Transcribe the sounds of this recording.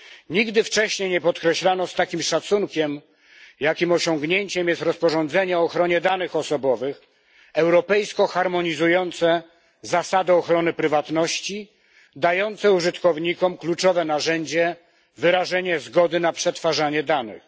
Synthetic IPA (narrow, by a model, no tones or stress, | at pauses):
ɲiɡd̪ɘft͡ʂɛɕɲejɲɛpɔt̪kɾɛɕlanɔst̪akʲimʂat̪suŋkʲɛm | jakʲimɔɕɔŋɡɲeɲt͡ɕɛmjɛst̪ɾɔspɔʐɔnd̪zɛɲɛɔːxɾɔɲɛd̪anɘxɔsɔbɔvɘx | ɛwɾɔpɛjskɔxaɾmɔɲizujɔnt̪sɛ | zasad̪ɛɔxɾɔnɘpɾɘvat̪nɔɕt͡ɕi | d̪ajɔnt̪sɛuʐɘt̪kɔvɲikɔmklut͡ʂɔvɛnaʐɛɲd͡ʑɛ | vɘɾaʐɛɲɛzɡɔd̪ɘnapʂɛt̪faʐaɲɛd̪anɘ̰x